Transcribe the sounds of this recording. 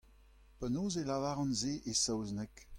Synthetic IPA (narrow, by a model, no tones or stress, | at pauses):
panoːzelavaːʁɑ̃nzeʔesawznɛk